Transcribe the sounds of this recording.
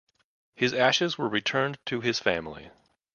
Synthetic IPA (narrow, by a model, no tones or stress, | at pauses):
hɨzæʃɨzwə˞ɹitʰɜ̃˞ntʰɨɪz̥fæ̃mlˠḭ